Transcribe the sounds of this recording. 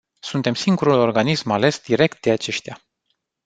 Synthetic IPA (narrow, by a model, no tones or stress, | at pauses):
sunt̪e̞msiŋɡuɾulo̞rɡanismale̞sd̪iɾe̞k̚t̪̚d̪eat͡ʃe̞ʃt̪ja